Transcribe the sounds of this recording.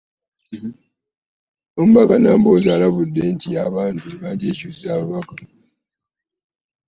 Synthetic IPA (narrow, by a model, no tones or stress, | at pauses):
om̩bakanaːmbozaːlaβudːentijaβaːntukaːndiecuːzizaβuβaka